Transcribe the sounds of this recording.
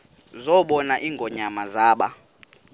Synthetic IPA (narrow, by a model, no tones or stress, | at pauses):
zɔɓɔnaʔiːŋɡʱɔɲamazaːɓa